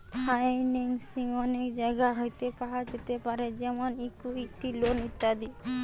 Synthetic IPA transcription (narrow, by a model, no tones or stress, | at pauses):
pʰajniŋsiŋɔnekd͡ʒajɡaɦojt̪epaɦad͡ʒet̪epaɾed͡ʒɛmɔnikuik̚ʈilonit̪ːad̪i